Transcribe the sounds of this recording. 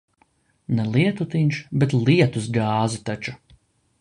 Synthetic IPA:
nɛlˠiɛt̪ut̪inʲʃbɛt̪lˠiɛt̪usɡaːzut̪at͡ʃu

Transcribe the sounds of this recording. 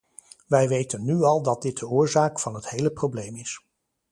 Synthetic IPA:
ʋɛjʋejtənːyɑlˠdɑt̚dɪt̚dəʊːɹzaːkfɑnɦəthejləprowblejmɪs

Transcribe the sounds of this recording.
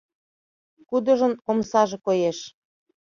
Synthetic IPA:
kud̪ɤ̆ʒə̆nomsɑʒĕkojeʃ

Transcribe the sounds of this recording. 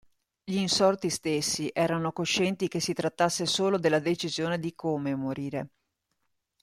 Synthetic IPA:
ʎiːnsɔrt̪ist̪esːiʔɛːɾanokoʃːɛnt̪ikesit̪ɾat̪ːasːesoːlod̪elːad̪et͡ʃizjoːned̪ikʰomemoɾiːɾe

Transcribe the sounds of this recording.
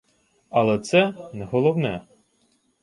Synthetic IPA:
ɐlˠɛt̪sɛnɛɦɔlˠɔwnɛ

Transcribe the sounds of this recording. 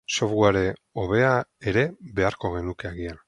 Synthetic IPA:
so̞fɣwaɾe̞o̞β̞e̞ae̞ɾe̞βe̞aɾko̞ɣe̞nuke̞aɣian

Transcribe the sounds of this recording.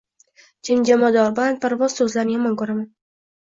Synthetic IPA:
d͡ʒʰɪmd͡ʒamɒd̪ɒɾblanpʰaɾvɒz̥sɵzlaɾnɪjamɒnkɵɾaman

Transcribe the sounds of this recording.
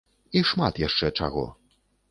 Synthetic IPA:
iʂmat̪jaʂt͡ʂɛt͡ʂa̰ɣɔ̰

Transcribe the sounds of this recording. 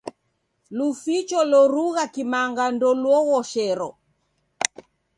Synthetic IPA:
lufit͡ʃɔlɔɾuɣakimaŋɡandɔlwɔɣɔʃɛɾɔ

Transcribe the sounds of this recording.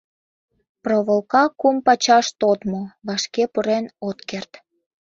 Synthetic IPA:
proβəlkɑkumpɑt͡ɕɑʃt̪ot̪moβɑʃkepuɾenot̪kert̪

